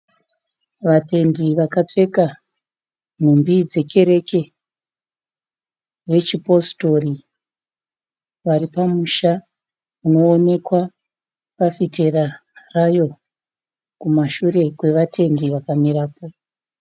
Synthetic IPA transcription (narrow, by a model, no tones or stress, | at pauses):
ʋate̞ndiʋakat͡se̞ka | n̤umbid͡ze̞ke̞ɾe̞ke̞ | ʋe̞t͡ʃipo̞sto̞ri | ʋaɾipamuʃa | uno̞ːne̞kwa | pafite̞rarajo̞ | kumaʃure̞kwe̞ʋatʰe̞ndiʋakamiɾaːpo